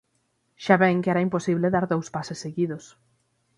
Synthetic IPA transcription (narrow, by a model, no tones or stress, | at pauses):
ʃaβɛŋkɛɾaimposiβleðaɾðowspasesːeɣiðʊs